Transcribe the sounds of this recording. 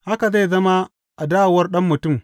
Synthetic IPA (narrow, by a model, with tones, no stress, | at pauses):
ha˦ka˨za˦jzɐ˦ma˦ | ʔa˨daː˦wwɐ˦ɾɗɐ˦mːu˨tu˦˨m